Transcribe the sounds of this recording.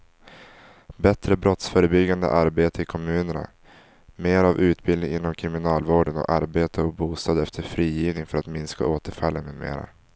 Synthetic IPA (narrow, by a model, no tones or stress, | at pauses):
bɛt̪ɾəbɾɔt̪sfœːɾəbʏɡːand̪ə̰ʔaɾbeːt̪əɪkʰɔmʉ̟ːnəɳa̰ | meːɾavʉ̟ːt̪bɪlɪŋɪnːɔmkʰɾɪmɪnɑːlvoːɖənɔ̰ʔaɾbeːt̪ʰəɔbuːst̪ɑːd̪ɛft̪ʰəɾfɾiːjiːvnɪŋfœɾat̪mɪnska̰oːt̪əɾfalːənːɵːmḛːɾa̰